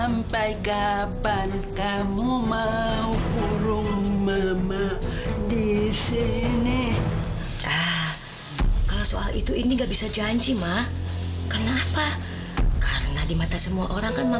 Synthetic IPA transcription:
ampajɡaban | kamumaukuɾʊŋməmədisini | a | kaloso̰ʔa̰lḭt̪uiniŋɡabisad͡ʒaɲd͡ʒimahkənaːpa | kaɾənadimat̪asəmuaʔoɾaŋkanma

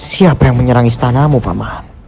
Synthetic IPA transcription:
siapajaŋməɲəɾaŋist̪anamupa̰maham

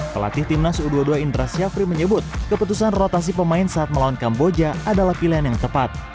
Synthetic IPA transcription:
pəla̰t̪ɪht̪imnasuduaduaintɾasiafɾiməɲəbʊt̪̚kəput̪usanrot̪as̬ipəmaɪnsaːt̪̚məlawankambod͡ʒaadalahpilianjaŋt̪əpat̪̚

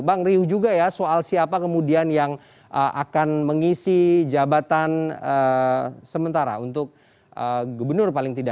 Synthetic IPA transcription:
baŋriʊhd͡ʒuɡajasoalsiapakəmudianjaŋ | ʔəʔa̰kanməŋisid͡ʒabat̪anəsəmənt̪aɾa̰unt̪ʊk̚ | əɡubərnʊrpalɪŋt̪ida

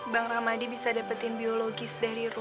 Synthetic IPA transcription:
baŋramadibisadapat̪ɪnbioloɡɪsdaɾiru

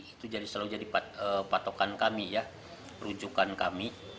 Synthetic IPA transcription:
it̪ud͡ʒadislaud͡ʒadipaəpat̪okankamija | ɾud͡ʒukankami

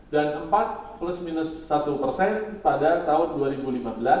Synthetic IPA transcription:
danʔəmpat̪̚pləsminʊsːat̪upərsɛnpadat̪aʊnduaɾibulimabəla

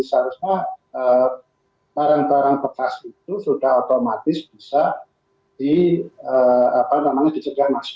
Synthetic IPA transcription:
saɾusɲaə | t̪aɾaŋt̪aɾaŋbəkasit̪̚usud̥ahot̪omat̪ɪsb̥isa | d̥iəapamemaŋd̥it͡ʃəɡahmas

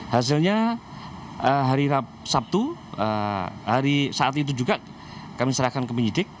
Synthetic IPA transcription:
has̬ɪlɲa | əɦaɾiɾapsap̚t̪uəhaɾisaʔat̪it̪̬ud͡ʒuɡa | kamisəɾahkankəpəɲd͡ʒidɪk̚

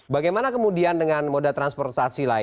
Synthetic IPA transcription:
baɡajmanakəmudiandəŋanmodat̪ɾanspɔrt̪̚sasila

